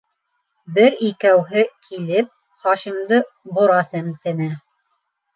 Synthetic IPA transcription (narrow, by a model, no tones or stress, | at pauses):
bɘɾikæwɦɘkʰilɘp̚ | χɑʃimd̪ɤ | bŏɾɑsæmt̪ɘ̆næ